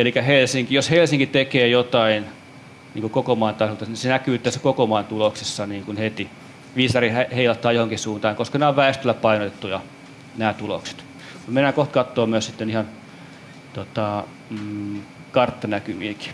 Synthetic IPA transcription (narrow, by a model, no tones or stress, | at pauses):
elikæhelsiŋkijoshelsiŋkit̪ekeːjot̪ɑin | niːŋkukokomɑint̪ɑsolt̪ɑnisenækyːt̪ːæsːæ̥kokomɑint̪uloksesːɑniːŋkunhet̪i | ʋisɑrihæheilɑt̪ːˑɑːjohoŋkisuːnt̪ɑːŋkoskɑnæoʋʋæest̪ølːˑæpɑinot̪et̪ːujɑ | næːt̪ulo̰kse̥t̪ | mut̪menːækoht̪kɑt̪ːoːmmyøssit̪ːenihɑn | t̪ot̪ɑ | kɑrt̪ːɑnækyʋiːki̥